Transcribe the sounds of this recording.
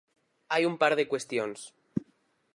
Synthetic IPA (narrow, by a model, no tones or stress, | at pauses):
ajumpaɾðekwest̪jons